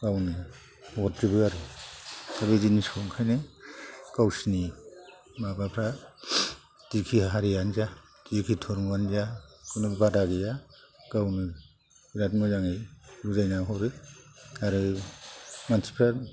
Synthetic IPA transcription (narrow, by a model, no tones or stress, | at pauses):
ɡawnɯ | wɔtɾibɯaɾɯ | abezinisʰɔŋkʰajne | kawsini | mabapʰɾa | tikʰiaɦaɾianza | kikʰitʰɔɾmuanzakunubbadaɡijaɡ̥awnɯ | biɾatmɔzaŋeluzajnaɦɔɾɯ | aɾɯ | mantʰi̥pʰɾa